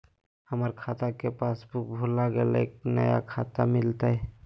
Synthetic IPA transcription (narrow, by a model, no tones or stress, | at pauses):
həməɾkʰat̪akepasbuk̚bʱulaɡelḛːknə̰ja̰kʰat̪amɪlt̪aɦɛ